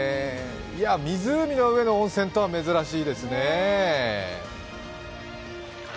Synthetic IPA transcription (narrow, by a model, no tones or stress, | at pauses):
iamʲizɨːmʲino̞ɯ̟e̞no̞õɰ̃sẽ̞nt̪o̞βame̞zɨɾaɕiːd̪e̞sɨne̞